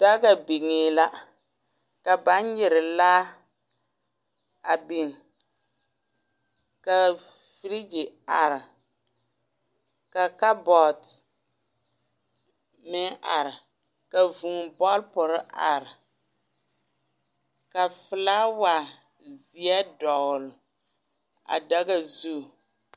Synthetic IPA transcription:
da˦ɡa˨bi˨ŋeː˨la˦ | ka˨ba˨˦n˦ɲɪ˨ɾɪ˨laː˦ | a˨bi˨ŋ˨ | ka˨fi˦ɾi˦d͡ʒi˨a˨ɾɪ˨ | ka˨ka˦bɔ˨t | mɪ˦ʔa˨ɾɪ˨ | ka˨vu˨ŋ˨bɔ˦lpʊ˨ɾɪ˦ʔa˨ɾɪ˨ | ka˨fɪ˨la˦wa˨ | zi˨ɛ˦dɔ˨ɣʊ˨l | a̰˨da˦ɡa˦˨zu˦˨

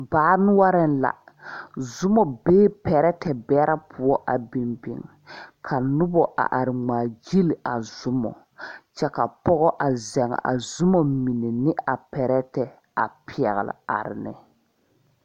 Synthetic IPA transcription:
baː˨˦nʊ˦wa˦ɾɪ˦n˦la̰˨ | zʊ˦mɔ˨beː˦pɛ˨ɾɛ˦tɛ˨bɛ˦ɾa˦pʰʊ˦ɔ˦ʔa˨bi˨mbɪ̰˨ŋ | kʰa˨nʊ˦bɔ˨ʔa̰˨ʔa˨ɾɪ˨ŋ͡maː˨d͡ʒi˦lɪ˨a˨zʊ˦mɔ̰˨ | t͡ʃɛ˦ka˨pɔ˦ɣɔ˦ʔa˨zɛ˨ŋ̰˨ʔa̰˨zʊ˦mɔ˨mi˨ne˨nɪ˦a˨pɛ˨ɾɛ˦tɛ˨ | a̰˨pi˨ɛ˨ɣɪ̰˨lɪ̰˨a̰˨ɾɪ̰˨nɪ̰˨

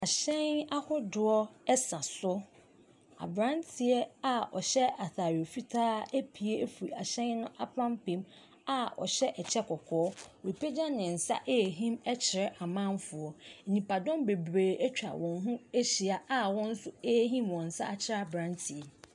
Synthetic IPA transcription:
a˨ɕɛ̃˦na˦hʊ˦dʊ˨ɔ˦ɛ˦sã˨sʊ˦ | a̰˨bɾã˦ntʰi˨ɛ˦a˨ɔ̰˨ɕɛ˦a˨θaː˨ɾɪ˨o˨fi˦tʰaː˦e˦pʰi˨e˦fu˨i˨a˨ɕɛ̃˦nnːʊ̃˦ʔa˦pʰã˦mpĩ˨m | a˦ɔ̰˨ɕɛ˦ʔɛ˨t͡ɕʰɛ˦kʰɔ˨kʰɔː˦˨ɾi˨pʰe˦d͡ʑa˦nɪ̃˨n̩˨sa̰˦ʔe˦˨ɦĩ˦mɛ˦t͡ɕʰɪ˨ɾʔa˨mã˦nfʊ˨ɔ˨n̩˨nĩ˨pʰa˨dɔ̃˦mbe˨bɾeː˨ɛ˦t͡ɕᶣa̰˨wɔ̃˨nɦũ˦e˦ɕi˨a˨a˦wɔ̃˦n̩˦sʊ˦e˦ɦĩ˦mwɔ̃˨n̩˨sa̰˦a˨t͡ɕʰɪ˦ɾa˦a˨bɾã˦ntʰi˨ɛ˨

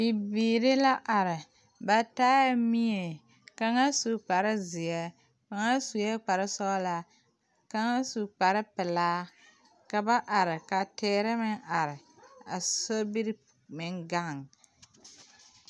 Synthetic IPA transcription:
bi˨biː˨ɾɪ˦la˦ʔa˨ɾɪ˨ | ba˨taː˦ja˦mi˦e˨ | ka˦ŋa˦su˨k͡pa˨ɾɪ˦zɪ˨ɛ˦ | ka˨˦ŋa˦su˨jɛ˦k͡pa˨ɾɪ˦sɔ˦la˦ | ka˦ŋa˦su˨k͡pa˨ɾɪ˦pɪ˨laː˦ | ka˨ba˦ʔa˨ɾɪ˨ka˨tɪː˦ɾɪ˦mɪ˦ŋa˨ɾɪ˨a̰˨so˦bi˦ɾ | mɪ˨ŋɡa˦˨ŋ

